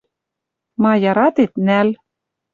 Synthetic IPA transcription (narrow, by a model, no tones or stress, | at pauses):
mɑjɑɾɑt̪et̪næl